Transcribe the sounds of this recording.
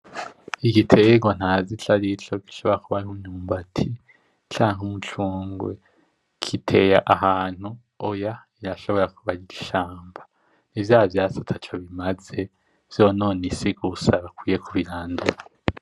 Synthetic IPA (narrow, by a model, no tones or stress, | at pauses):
iɡitʰeɡwan̥haːziɬaɾiɬo̞ɡi̥ʃo̞βo̞ɾakuβaɾuɲuːmbatʰi | t͡ʃaːŋumut͡ʃuːŋɡwḛ | kʰitʰe̞jaʔaɦaːn̥hu | oja | iɾaʃo̞βo̞ɾakuβaɾiɡiʃaːmbḁ | nivjaːvjaːsatʰat͡ʃoβimaze̞ | v̥jo̞no̞ːnisiɡusaβakwiːje̞kʰuβiɾaːnduɾa